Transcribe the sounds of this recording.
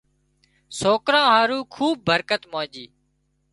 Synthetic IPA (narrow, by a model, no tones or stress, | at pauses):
soːkɾãːɦaːɾuːkʰuːb̚ːəɾkət̪mãːd͡ʒiː